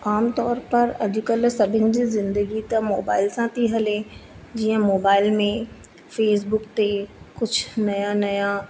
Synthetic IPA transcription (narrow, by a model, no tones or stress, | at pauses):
aːmt̪ɔːɾpɐɾɐd͡ʑʊkəlsɐbʱɪnɪ̆d͡ʑiːzɪ̃nd̪əɡit̪ɐmoːbaːɪlsãt̪ʰiɦɐle | d͡ʑiːə̃moːbaːɪlmẽ | feːs̬bʊk̚t̪ekʊd͡ʑʰʱnɐjanɐjã